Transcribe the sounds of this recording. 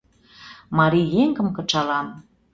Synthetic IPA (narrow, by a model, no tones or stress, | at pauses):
mɑɾijeŋkə̆mkɤ̆t͡ʃɑlɑm